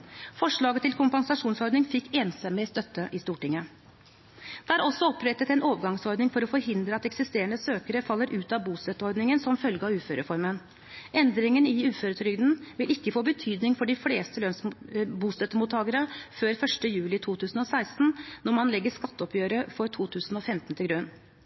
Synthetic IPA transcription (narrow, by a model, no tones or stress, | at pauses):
fɔʂɭɑːɡət̪ʰːɪlkʰʊmpɑnsɑʂuːnsɔɾɖ̪nɪŋfɪkːeːnsɛməst̪œt̪ːəʔɪst̪uːʈɪŋːə | d̪̥ɛæɾɔsːɔɔpʰːɾɛt̪ːət̪ɛnoːʋəɾɡɑŋsɔɾd̪nɪŋfɔɾɔfɔɾɦɪnd̪ɾəɑt̪ɛksɪst̪eːɾəɳəsøːkəɾəfɑlːəɾʔʉːt̪ɑbuːst̪œt̪ːəɔɾd̪nɪŋənsɔmfœlɡəɑʉːføːɾəfɔɾmən | ʔɛnd̪ɾɪŋənɪʉːføːɾət̪ʰɾʏɡd̪n̩ʋɪlɪkːəfoːbət̪ʰyːd̪nɪŋfɔɖɪfleːst̪əløːnsbuːst̪œt̪ːəmut̪ʰːɑːɡəɾəføːɾfœʂʈəjʉːlɪt̪ʰuːt̪ʰʉːsn̩ɔsæɪst̪n̩nɔɾmɑnlɛɡːəʂkɑt̪ːəɔpʰjøːɾəfɔɾt̪ʰuːt̪ʰʉːsn̩ɔfɛmt̪nt̪ɪlɡɾʉn